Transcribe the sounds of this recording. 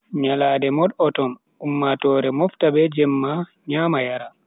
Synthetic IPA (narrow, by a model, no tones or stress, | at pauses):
ɲalaːdɛmɔɗɔtɔn | umːatɔːɾɛmɔftabɛd͡ʒɛmːaɲaːmajaɾa